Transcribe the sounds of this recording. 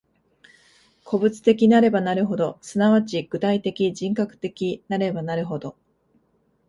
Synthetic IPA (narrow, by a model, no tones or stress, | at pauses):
kʰo̞bɯ̟t͡sɨ̥t̪e̞kʲinaɾe̞banaɾɯ̟ɦo̞d̪o̞sɨnaβat͡ɕiɡ̥ɯ̟t̪ait̪e̞kʲiʑĩŋkakɯ̟̥t̪e̞kʲinaɾe̞banaɾɯ̟ɦo̞d̪o̞